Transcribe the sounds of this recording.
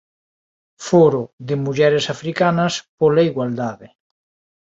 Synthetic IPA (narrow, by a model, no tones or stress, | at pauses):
foɾʊðɪmuʎɛɾesafɾikanɐspolaiɣwald̪aðɪ